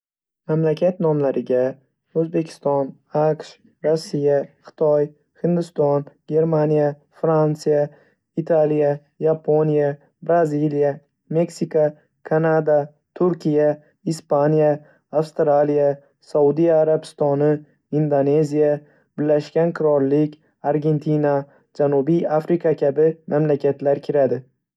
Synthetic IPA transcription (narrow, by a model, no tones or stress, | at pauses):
mamlakʲʰat̪nɒmlaɾɪɡʲa | ɵzbe̞kʲʰɪ̥st̪ɒn | aqʃ | ɾosːijaχɨ̥t̪ʰɒj | hɪnd̪ɪst̪ɒnɡʲe̞ɾmanija | fɾansija | it̪ʰalija | japʰonija | bɾazilija | me̞ksika | kʰanad̪a | t̪ʰʊɾkʲʰija | ispanjaː | wst̪ɾalija | saud̪ijaːɾabɪ̥st̪ɒnɪ | ind̪one̞zija | bɪlːaʃkʲanqʰɨɾɒɾlɪkʲ | aɾɡʲe̞nt̪ʰina | d͡ʒanʊbijafɾikʰakʲʰabɪmʔamlakʲʰat̪laɾkʲʰɪɾad̪ɪ